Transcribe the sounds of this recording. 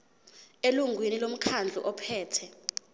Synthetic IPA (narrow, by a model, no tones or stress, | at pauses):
eluŋɡwinilom̩kʰand͡ɮʱṵʔɔpʰɛːtʰɛ